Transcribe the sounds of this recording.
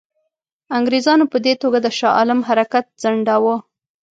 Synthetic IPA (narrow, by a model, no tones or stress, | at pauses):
aŋɡɾezɑnopəd̪et̪oɡad̪əʃɑʔɑ̰lɪmɦaɾakat̪̚z̥aɳɖawə